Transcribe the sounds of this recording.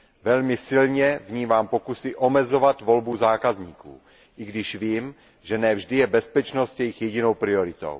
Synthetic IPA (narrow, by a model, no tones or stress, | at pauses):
vɛlmɪsɪlɲɛvɲiːmaːmpokusɪʔo̞mɛzovat̪vo̞lbuzaːkazɲiːkṵː | ʔiɡdɪʃviːm | ʒɛnɛvʒdɪjɛbɛspɛt͡ʃnost̪jɛjixjɛɟino̞wpɾɪoɾɪt̪o̰w